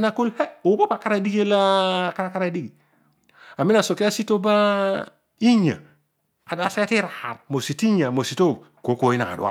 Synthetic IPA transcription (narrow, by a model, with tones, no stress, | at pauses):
na˦˨ku˦lhe˦o˨˦bo˦pa˨ka˦ɾa˦di˦ɡe˦la˦ka˦ɾa˦ka˦ɾa˦di˦ɡi˨ | a˨mi˦na˨so˨ki˦a˦si˦to˦ba˦ | i˦ɲa̰˨ | a˨da˨sa˦ja˦ti˦ɾa˨ha˨t̚mo˨si˨ti˦ɲa˨mo˨si˨to˦˨ | ko˨˦ko˨˦i˦na̰˨ŋa̰˨dṵ˦a̰˦